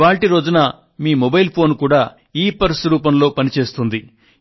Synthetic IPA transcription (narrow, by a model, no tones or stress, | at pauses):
ʋaːɭʈiɾo̞ːd͡ʒunɐ | miːmobɐjlpʰo̞ːnkuːɽaː | iːpɐɾsɾuːpɐmlo̞ːpɐnit͡ʃe̞ːst̪und̪i